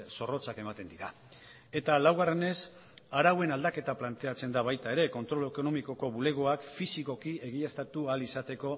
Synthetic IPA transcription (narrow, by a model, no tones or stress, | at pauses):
so̞ro̞t͡sake̞mat̪e̞nd̪iɾa | e̞t̪alawɣ̞are̞ne̞s | aɾawe̞nald̪ake̞t̪aplant̪e̞at͡se̞nd̪aβajt̪ae̞ɾe̞ko̞nt̪ɾo̞leko̞no̞miko̞ko̞βule̞ɣ̞oakfisiko̞kie̞ɣ̞iest̪at̪ualisat̪e̞ko̞